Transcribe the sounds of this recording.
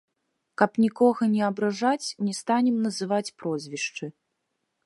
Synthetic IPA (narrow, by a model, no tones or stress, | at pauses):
kɐpnʲikɔɣɐnʲɛɐbɾaʐat͡sʲnʲɛst̪anʲɛmnɐzɨvat͡sʲpɾɔzʲvʲiʂt͡ʂɨ